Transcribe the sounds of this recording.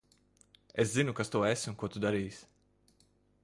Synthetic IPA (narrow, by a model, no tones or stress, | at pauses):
eszinukast̪uɔesmukuɔt̪ud̪aɾiːsʲ